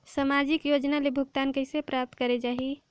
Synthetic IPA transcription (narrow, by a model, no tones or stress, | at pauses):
səmad͡ʒikjod͡ʒnalebʱuɡt̪ankəɪsepɾap̚t̪kəɾed͡ʒaɦi